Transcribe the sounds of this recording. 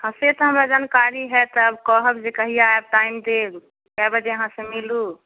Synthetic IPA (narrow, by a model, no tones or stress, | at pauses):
hãset̪ɔɦəmɾad͡ʒankaɾiɦɛt̪əbkɔɦəbd͡ʒekəɦiaeb̚ʈaimd̪eɡ | kɛbəd͡ʒeəɦãsemilu